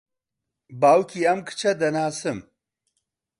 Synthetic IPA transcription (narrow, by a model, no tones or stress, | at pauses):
baːwkiːɐmkʰɨ̥t͡ʃʰɐd̪ɐnaːsɨm